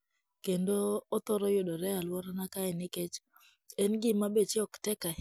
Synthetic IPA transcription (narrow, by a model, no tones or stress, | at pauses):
kendoːt̪ɔɾɔjodɔɾɛalwɔɾanakaɛnɪket͡ʃ | ɛnɡɪmabet͡ʃɪɔktɛka